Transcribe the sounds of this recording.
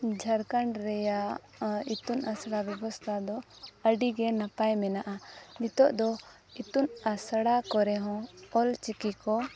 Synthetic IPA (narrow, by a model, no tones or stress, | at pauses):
d͡ʒʱaɾkaɳɖɾɛja | it̪unasɽabjɛbɔst̪ʰad̪ɔəɖiɡɛnapajmɛnaʔanit̪ɔʔd̪ɔ | it̪unasɽakɔɾɛɦɔ̃ɔlt͡ʃikikɔ